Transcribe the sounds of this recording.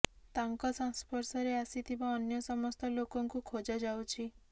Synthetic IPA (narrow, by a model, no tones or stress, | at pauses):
t̪aŋkɔsɔŋspɔɾsɔɾeasit̪ʰibaɔnjɔsɔmɔst̪ɔlokɔŋkukʰod͡ʒad͡ʒawt͡ʃʰi